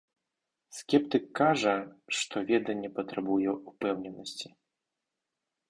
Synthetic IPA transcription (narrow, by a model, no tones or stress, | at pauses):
skʲɛpt̪ɨkːaʐɐʂt̪ɔvʲɛd̪ɐnʲːɛpɐt̪ɾabujɛupɛwnʲɛnɐsʲt͡sʲi̥